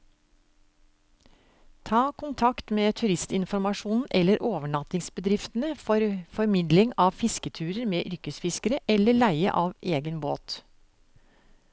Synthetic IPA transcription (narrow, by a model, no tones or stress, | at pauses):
t̪ʰɑːkʰʊnt̪ʰɑkt̪meːt̪ʰʉɾɪst̪ɪnfɔɾmɑʂuːnn̩ʔɛlːəɾʔoːʋəɳɑt̪ɪŋsbəd̪ɾɪft̪ən̩əfɾfɔɾmɪd̪lɪŋɑːʋfɪskət̪ʰʉːɾəɾmeːʔʏɾkəsfɪskəɾəʔɛlːəɭæɪə̰ʔɑːʋʔeːɡənbo̰ːt̪